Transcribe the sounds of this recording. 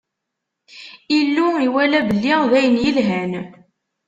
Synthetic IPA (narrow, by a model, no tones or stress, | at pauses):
ilːuiwælæbəlːiðæjənjəlɦæn